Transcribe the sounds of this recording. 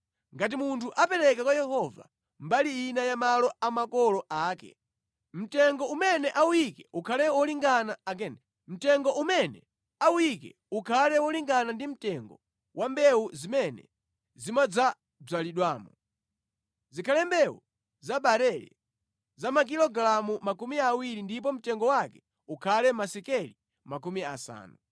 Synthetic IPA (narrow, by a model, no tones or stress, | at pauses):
ŋɡat̬imuntʰuʔapɛɾɛk̬akwajɛɦɔva̰ | mbaliinajamalɔamakɔlɔʔaːkɛ̰ | m̩tɛŋɡɔumɛnɛʔawujikɛukʰalɛwɔliŋɡanaak̬ɛnɛ | m̩tɛŋɡɔʔumɛnɛ | aujikɛ̰ | ukʰalɛwɔliŋɡanandim̩tɛŋɡɔ̰ | wʔambɛuzimɛnɛ̰ | zimad͡za | b͡ʐaliɗwaːmɔ | zikʰalɛmbɛṵ | zaɓaɾɛɾɛ̰ | zamak̬ilɔɡlamumakumiawiɾindip̬ɔm̩tɛŋɡɔwakɛ̥ | ukʰalɛmasɛkɛli | mak̬umia̰sa̰ːnu